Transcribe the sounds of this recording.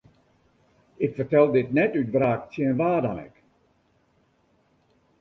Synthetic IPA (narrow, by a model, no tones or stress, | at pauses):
ɪkfərtɛlˠdɪtnɛtyt̚braːktjinʋaːrdanɛ̰k